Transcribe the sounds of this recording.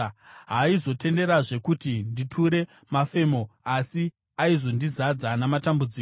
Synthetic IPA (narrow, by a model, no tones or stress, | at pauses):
ɦaizo̞te̞nde̞ɾaʐe̞kutinditʰuɾe̞ | mafe̞mo̞asi | aizo̞ndizad͡zanamatambud͡ziːk